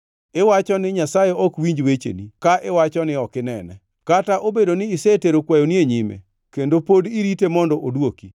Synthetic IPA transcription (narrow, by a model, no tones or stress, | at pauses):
ɪwat͡ʃɔnɪɲasajeʔɔkwiɲd͡ʒwet͡ʃḛnikaʔɪwat͡ʃɔnɪɔkɪnɛnɛ̰ | kataʔobedonɪːseteɾokwajonieɲɪmɛ̰ | kendopodiɾitemɔndɔʔodwoki